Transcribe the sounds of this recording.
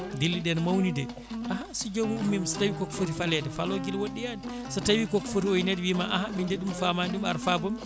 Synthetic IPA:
dilːiɗɛnmawnidɛ | ʔahasid͡ʒomuɗumimsḁtawikokfotifalɛdɛfaloɡilwoɗːijadi | satawikokːɔ̥fotiojnedwimaʔahamindeɗumfamanɗuma̰ɾfabɔm

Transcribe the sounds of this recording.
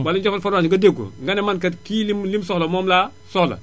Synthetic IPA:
balid͡ʒofalfaɾaɲŋɡɐdeɡo̰ŋɡanɛmankatkiːlimlimsɔhlɐmɔːmla | sɔhlɐ̰

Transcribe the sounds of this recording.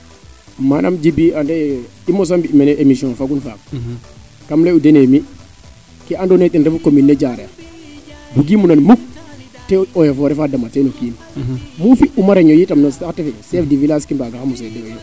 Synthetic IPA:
manʔamd͡ʒibiandɛimːɔs̬ambiimanɛʔemisiɔ̃nfaɡunfa̰k̚ | kamlɛudenemi | kiandonɛtinɾɛfukominːɛd͡ʒaɾɛa | buɡimunanmuk̚ | tɛɔjafɔɾɛfadamatɛnokiːm | mufiʔumaɾeɲɔjitamnɔsaktɛfɛsɛfdivilaskimbaɡahamusɛdɛjɔ

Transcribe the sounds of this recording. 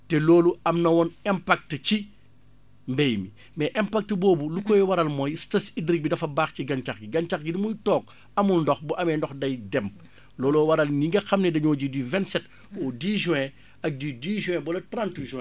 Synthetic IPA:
tɛlɔːluɐmnɐwɔnɛmpak̚tt͡ʃi | mbɛjmi | mɛʔɛmpak̚tbɔːbulukɔjwɐɾɐlmɔːjstɐsidɾik̚bidɐfɐbaːxciɡɐnt͡ʃaxɡiɡɐnt͡ʃakɡidimujtɔːk | ɐmunndɔxbuʔɐmɛndɔxdɐjdɛm | lɔːlɔwɐɾɐlniŋɡɐxɐmnɛdɐɲɔːɟidivɛntsɛt | ɔdiːʒɛ̃ | ɐk̚didiːʒɛ̃bɔlɐtɾãntuʒuɛ̃

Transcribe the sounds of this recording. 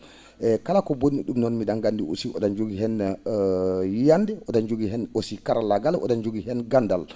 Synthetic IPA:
ʔɛkalakɔbonːiɗumnɔnmiɗanɡandio̰siʔɔ̰ɗand͡ʒoɡiɦɛn | jandɛʔɔɗand͡ʒoɡihɛnosikaɾalaɡalʔɔ̰ɗand͡ʒoɡiɦɛnɡandal

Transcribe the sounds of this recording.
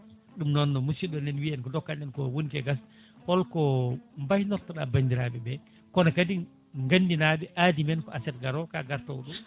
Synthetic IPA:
ɗumnɔnːɔmusiɗɔndɛnwiɛnkɔdɔkːanɛnkɔwonikɛɡas | pɔlkɔmbajnɔɾtɔɗabaɲdiɾabɛbɛ | kɔnakadi | ŋɡandinabɛʔadimɛnkɔasɛt̚ɡaɾɔkaɡaɾtɔ̰wɗɔ

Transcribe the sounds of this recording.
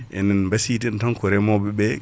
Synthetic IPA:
ɛ̰nɛnmbasitintɔnkɔɾɛmɔbɛbɛ

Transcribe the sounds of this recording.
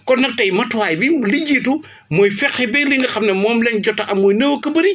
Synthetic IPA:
kɔnːɐk̚tɐjmɐtwaːjbimulid͡ʒiːtu | mɔjfɛxibɛliŋɡɐxɐmnɐmɔːmlɛnɟɔtːɐʔɐmːɔjnɐwokɐbɐɾi

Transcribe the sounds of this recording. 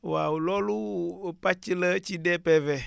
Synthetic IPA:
wawulɔlupat͡ʃilət͡ʃidɛpɛvɛ

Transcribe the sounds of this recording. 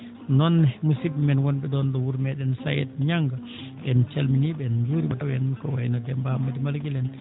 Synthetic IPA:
nɔnːɛmusibimɛnwɔnɓɛdɔnɗɔwuɾmɛɗɛnsajɛ̰tɲaŋɡa | ɓɛnt͡ʃalminiɓɛnd͡ʒuɾiɓatawɛnkɔ̰wajnɔdɛmbamːadimalɡilɛn

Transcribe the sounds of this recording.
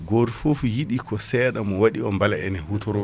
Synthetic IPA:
ɡɔɾfofjiɗikɔsɛːɗamɔwaɗiɔmbalaɛ̰nɛhutɔɾɔ

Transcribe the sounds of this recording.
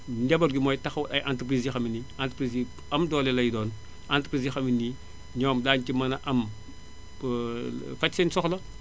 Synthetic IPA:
ndɛbɐlɡimoːjtɐxwuɐjʔantupɾiːsixɐminiantpɾizi | ɐmdɔːlɛlɐjdɔːn | anti̥pɾizixɐminːi | ɲoːmdaːncimɐnɐʔɐm | fɐcsinsɔxlɐ

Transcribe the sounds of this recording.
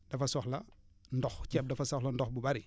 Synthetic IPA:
d̥ɐfɐsɔxlɐ | ndɔxcɛp̚dɐfɐsɔxlɐndɔxbubɐɾi

